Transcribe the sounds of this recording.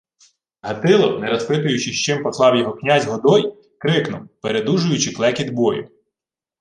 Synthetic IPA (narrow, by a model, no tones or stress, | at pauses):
ɦɐt̪ɪlˠɔnɛɾɐspɪt̪̬ʊjʊt͡ʃɪʃt͡ʃɪmpɔslˠɑwjɔɦɔknʲazʲɦɔd̪ɔj | kɾɪknʊwpeɾe̞d̪uʒʊjʊt͡ʃɪklˠɛkʲid̪bɔjʊ̰